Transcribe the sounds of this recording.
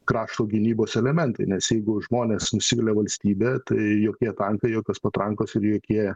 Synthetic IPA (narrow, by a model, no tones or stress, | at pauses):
kɾɑːʃt̪oːɡʲɪnʲiːboːsɛlʲɛmʲɛnt̪ɐɪnʲɛsjɛɪɡʊʒmoːnʲeːsnʊsʲɪʋʲɪlʲeʋɐlʲsʲt̪ʲiːbʲɛːt̪ɐɪjoːkʲiɛt̪ɐŋkɐɪjoːkʲoːspɐt̪ɾɐŋkoːsɪɾjoːkʲiɛ